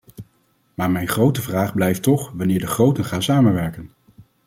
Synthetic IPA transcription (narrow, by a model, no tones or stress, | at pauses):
maːɹmɛjnχrowtəvraːχblɛjftɔχʋɑnɪːɹdəχrowtənχaːnsaːmənʋɛɹkən